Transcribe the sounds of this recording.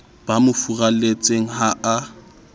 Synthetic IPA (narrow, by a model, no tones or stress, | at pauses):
b̥amʊfuralet͡sʼeŋ̩ɦaa